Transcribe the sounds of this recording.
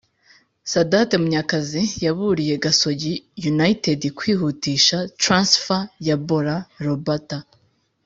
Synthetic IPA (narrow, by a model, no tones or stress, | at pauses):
sadatemuɲakazijaβuɾije̞ɡaso̞ɟijunaitedikwiːɦutiːʃatɾansfajaboɾaɾobata